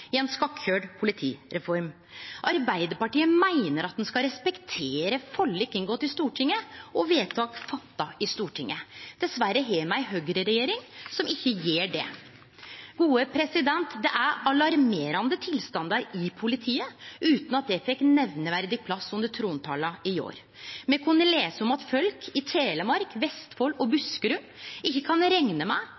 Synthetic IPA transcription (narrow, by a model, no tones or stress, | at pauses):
ɪɛnskɑkçøːɖpʰʊlɪt̪ʰiːɾɛfɔɾm | ʔɑɾbæɪd̪əɾpɑʈiːəmæɪnəɾɑt̪̚d̪nskɑɾɛspɛkt̪ʰeːɾəfɔlːɪkːɪŋɡɔt̪ːɪst̪uːʈʰɪŋːəɔʋeːt̪ʰɑːkfɑt̪ːɑɪst̪uːʈʰɪŋːəd̪̥ɛsʋæɾːəɦeːmæɪɦøːɡɾəɾɛjeːɾɪŋsɔmɪçːəjeːɖɛ̰ | ɡuːəpʰɾɛsɪd̪ɛnt̪d̪ɛʔæɾɑlɑɾmeːɾɑnd̪ət̪ʰɪlst̪ɑnd̪ɑɾɪpʰʊlɪt̪ʰiːəʉːt̪nɑt̪̚d̪ɛfɛkːnɛʋnəʋæɾd̪ɪɡ̚pʰlɑsːʉnd̪əʈ̪ʰɾuːnt̪ʰɑːlɑɪo̰ːɾ | mɛkʰʉnːəleːsəɔmɑt̪fœlkʰɪt̪ʰeːləmɑɾkʋɛst̪fɔlɔbʉskəɾʉm | ɪçːəkʰɑnɾɛŋnəmæɪ